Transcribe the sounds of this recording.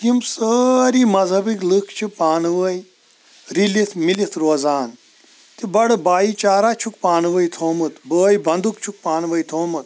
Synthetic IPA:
kimsəːɾiːmɐzʱɐbiklɨkʰt͡ʃʰipaːnʋəj | ɾilit̪ʰmilit̪ʰɾoːzaːn | t̪ibɐɽbaːit͡ʃaːɾaːt͡ʃʰukpaːnʋəjt̪ʰoːmɨt̪bəːjbʱɐnd̪ukt͡ʃʰuk̚paːnʋəjt̪ʰoːmɨt̪̚

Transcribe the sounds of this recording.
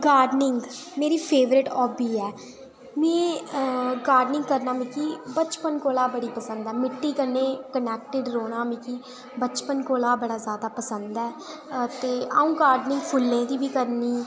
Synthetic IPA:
ɡaːɾɖnɪŋɡmeːɾiːpʰeːʋɾɪʈɔːbiːɛː | mɛ̃ː | ɡaːɾɖnɪ̃ŋɡkəɾnaːmĩːkiːbət͡ʃpənkoːlaːbəɽiːpəsənd̪ɛːmɪʈːiːkəɾneːkənɛːk̚ʈɪɖɾoːɽaːmĩːkiː | bət͡ʃpənkoːlaːbəɽaːzjaːd̪aːpəsənd̪ɛːt̪eːaːũːɡaːɾɖnɪ̃ŋɡpʰʊlːẽːd̪iːbiːkəɾniː

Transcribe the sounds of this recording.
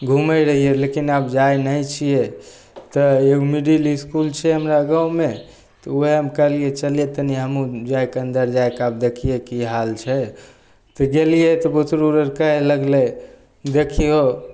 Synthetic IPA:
ɡʱuməɾəɦijelekinabd͡ʒajnəjt͡ʃʰije | t̪ɔeɡumiɖiliskult͡ʃʰɛɦəmɾaɡəwme | t̪ɔuɦeəmkəlijet͡ʃəlijet̪əniɦəmũd͡ʒajkeənd̪əɾd͡ʒajkab̚d̪ekʰijekiɦalt͡ʃʰɛ | t̪ɔɡelijet̪ɔbut̪ɾuɾəɾkəɦeləɡle | d̪ekʰiɦo

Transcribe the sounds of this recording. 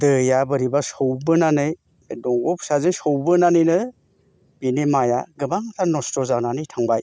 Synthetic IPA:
dɯjabɯɾibasɔwbɯnanɯj | dɔŋɡɔpsazɯnsɔwbɯnanɯjnɯ | b̥inimaja̰ɡɯbaŋtʰanɔstɔzananɯjtʰaŋbaj

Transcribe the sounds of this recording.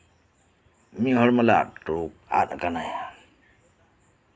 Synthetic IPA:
miɦɔɹmala̰tuk̚a̰takanaja

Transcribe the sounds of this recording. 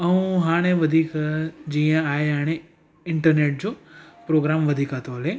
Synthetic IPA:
ɐũɦaːɽ̃eʋɐd̪ʱiːkd͡ʑiːə̃aːɦeɦaːɽ̃e | ɪ̃ɳʈəɾneːʈ̚d͡ʑoːpɾoːɡɾaːmʋɐd̪ʱiːkat̪oɦɐleː

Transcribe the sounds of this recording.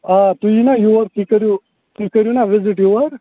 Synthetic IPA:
at̪ujinajuʋəɾkikəɾju | k̪ikəɾjunaʋɪzɪʈjuʋəɾ

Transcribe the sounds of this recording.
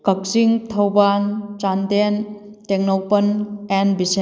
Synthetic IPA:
kɐk̚siŋtʰɐwbant͡ʃanden | teŋnowpɐnenbise

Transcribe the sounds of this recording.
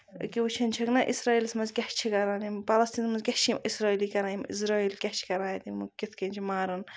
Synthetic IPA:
kiut͡ʃʰɐnʲt͡ʃʰɐknɐʔisɾaːilsmɐzɡʲɐht͡ʃʰikɐɾaːnimpɐlɐst̪iːnmɐzɡʲɐt͡ʃʰimisɾaːiːlikɐɾãimḭs̬ɾaːiːlkʲɐt͡ʃʰi̥kɐɾãːjt̪imukit̪ʰkɐnt͡ʃʰimaːɾɐn

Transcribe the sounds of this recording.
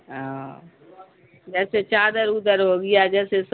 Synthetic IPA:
ɦã | d͡ʒɛːset͡ʃaːd̪əɾud̪əɾɦoɡɪjad͡ʒɛːses

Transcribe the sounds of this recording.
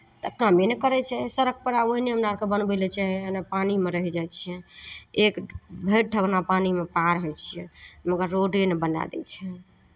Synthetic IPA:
t̪əkamenekəɾɛt͡ʃʰɛsəɾək̚pəɾaoɦineəmnaɾkebənbɛlɛt͡ʃʰɛenapanimeɾəɦɛd͡ʒat͡ʃʰiɛekbʱeʈ̚ʈəɡnapanimepaɾɦɛt͡ʃʰijɛməɡəɾːoɖenbəna̰d̪ɛ̰t͡ʃʰɛ

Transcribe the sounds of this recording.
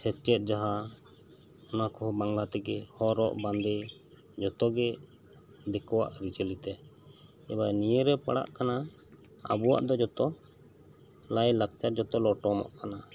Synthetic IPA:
sɛt͡ʃɛt̪̚ˀd͡ʒaɦa | ɔnakɔɦɔbaŋlat̪ɛɡɛhɔɾɔ̰ʔband̪ɛ | d͡ʒɔt̪ɔɡɛ | d̪ɛkɔwa̰ʔɾit͡ʃəlit̪ɛ | ɛbajniəɾɛpa̰ɽa̰ʔkana | a̰buwa̰ʔd̪ɔd͡ʒɔt̪ɔ | lajlak̚t͡ʃad͡ʒɔt̪ɔlɔʈɔmɔ̰ʔkana

